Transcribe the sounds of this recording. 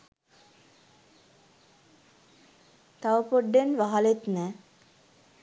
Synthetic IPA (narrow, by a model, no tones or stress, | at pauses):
t̪aʋəpoɖːenʋaɦalet̪næː